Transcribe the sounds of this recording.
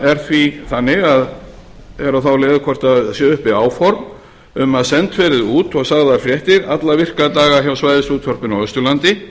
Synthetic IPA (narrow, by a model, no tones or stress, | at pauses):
ɛɾ̥θviθanːɪɣað | ɛɾaθawlɛːðʏkʰɔr̥t̪aðsjɛːʏhpɪaːwfɔɾm | ʏmaðsɛnt̪fɛːɾɪðuːt̪ɔɣsaɣðafɾjɛht̪ɪɾa̰t̪lavɪr̥kaðt̪aːɣaçjawsvajðɪst̪uːt̪fɔɾ̥pɪnawɛst̪ʏlant̪ɪ